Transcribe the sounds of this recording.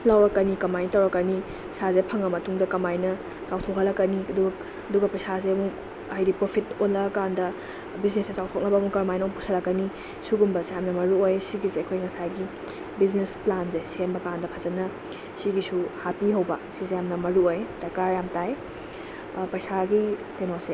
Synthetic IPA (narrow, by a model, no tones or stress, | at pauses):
lawɾɐkːɐnikɐmajnitɐwɾɐkːɐni | pɐjsazepʰɐŋɐmɐtʰuŋdɐkɐmajnɐ | t͡ʃawtʰokʰɐlɐkːɐniɐduɡɐ | ɐduɡɐpɐjsazeɐmuk | hajɾipɾopʰitonlɐɡɐkandɐ | biznesnɐt͡ʃawtʰok̚nɐbɐːmukɐɾmajnɐpusɐlɐkːɐni | suɡumbɐsejamnɐmɐɾuojsiɡizeɐkʰojŋɐsaɡi | biznesplanzesembɐkandɐpʰɐzɐnɐ | siɡisuhapiɦɐwbɐsizejamnɐmɐɾuojd̥ɐkaɾjamtaj | pɐjsaɡitenose